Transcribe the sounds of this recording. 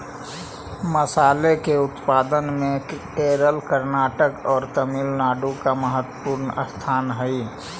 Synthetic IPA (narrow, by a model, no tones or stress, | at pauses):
məsaːlekeʊt̪paːd̪ənmẽ | eːɾəlkəɾnaːʈəkɔːɾt̪əmilnaːɖũkaməɦət̪wəpuːɾnəst̪ʰaːnɦəi